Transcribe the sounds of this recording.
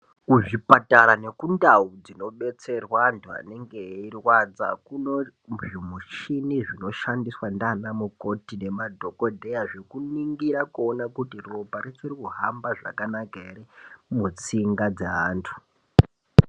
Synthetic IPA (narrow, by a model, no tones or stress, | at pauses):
kuʐipataɾane̞kundaud͡zino̞ɓe̞t͡se̞rwantʰua̰ne̞ŋɡe̞irwad͡za̰kuno | ʐimuʃiniʐinoʃandiswandanamuko̞tine̞madʱo̞ko̞dʱejaʐekuniŋɡiɾakuonakutiropaɾet͡sorikuɦambaʐa̰kanakaeɾimut͡siŋɡad͡zeaːntʰu̥